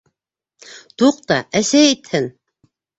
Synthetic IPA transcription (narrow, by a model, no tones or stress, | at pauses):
t̪uq̚t̪ɑæsæit̪hɘn